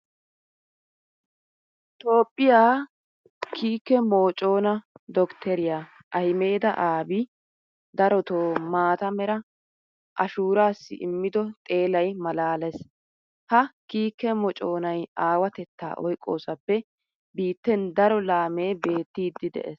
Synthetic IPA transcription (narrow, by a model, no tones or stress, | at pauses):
t̪o̞ːpʼːɪjaː | kʰiːkːɛmo̞ːt͡ʃʼo̞ːnɐd̪ɔkt̪ʰɛɾɪja | ʔɐhɪme̞ːd̪ɐ̰ʔaːbi | d̪ɐɾɔt̪oːmaːt̪ɐmɛɾɐ | ʔɐʃuːɾaːsːɪ̰ʔɪ̰mːɪd̪ɔt̪ʼe̞ːlɐjmɐlaːlɛs | hɐkiːkːɛmɔt͡ʃʼo̞ːnɐjaːwɐt̪ɛt̪ːa̰ːʔɔ̰jkʼːo̞̰ːsɐpːɛ | biːt̪ːɛnd̪ɐɾɔlaːmeːbe̞ːt̪ːiːd̪ːɪd̪ɛ̰ʔes